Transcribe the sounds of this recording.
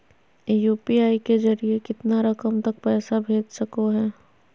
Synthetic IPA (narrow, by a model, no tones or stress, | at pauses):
juːpiaːikezɐɾiekɪt̪naɾɐkəmt̪ɐk̚pɛːsabʱeːd͡ʒsɐkoɦɛː